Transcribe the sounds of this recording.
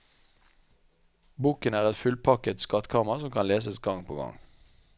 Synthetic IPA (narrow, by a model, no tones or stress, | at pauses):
buːkənæːʁɛt̪fʉlpʰɑkət̪skɑt̪kʰɑːmɑʁsɔmkʰɑnleːsəsɡɑŋpʰo̰ːɡɑ̰ŋ